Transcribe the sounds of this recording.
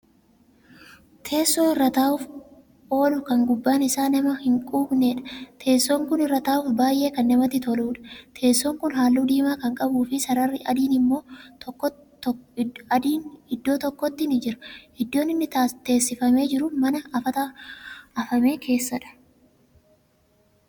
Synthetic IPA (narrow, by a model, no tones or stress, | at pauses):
t̪ʰe̞ːsːoːɪrːɐt̪aːʊf | ʔo̞ːlʊkɐŋɡʊbːaːnɪsaːnɐmɐhɪŋkʼuːbneːᶑɐ̥t̪ʰe̞ːsːoːŋkʊnɪrːɐt̪aːʊːfbaːjʔe̞ːkɐnːɐmɐt̪ːɪt̪ɔluːᶑɐ̥t̪ʰe̞ːsːoːŋkʊnɦaːlːuːd̪iːmaːkɐŋkʼɐbuːfɪsɐɾɐrːɪʔɐd̪iːnɪmːo̞ːtː | nɪd̪ːo̞ːt̪ɔkːɔt̪ːɪnɪd͡ʒɪɾɐ̥hɪd̪ːo̞ːnɪnːɪt̪e̞ːsːɪfɐme̞ːd͡ʒɪɾʊmɐnɐɐfɐt̪a | ɐfɐme̞ːkʰe̞ːsːɐᶑɐ̥